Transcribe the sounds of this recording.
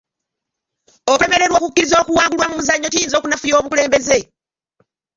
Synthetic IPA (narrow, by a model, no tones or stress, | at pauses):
okue̞me̞ɾe̞ɾwo̞ːkukːiɾizo̞ːkuwaːŋɡulwamumuzaɲːo̞tijiːnzo̞ːkunafujo̞ːβukule̞ːmbe̞ze̞